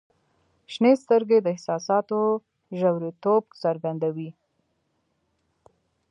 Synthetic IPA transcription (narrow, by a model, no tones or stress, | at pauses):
ʃnest̪əɾɡed̪əɪhsɑsɑt̪o | ʒawɾit̪ob̚zaɾɡand̪awi